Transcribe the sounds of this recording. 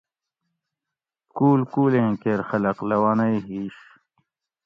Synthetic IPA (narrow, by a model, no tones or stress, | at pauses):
kuːlkuːlẽkeɾxɐlɐqlɐwanɐjɦiːɕ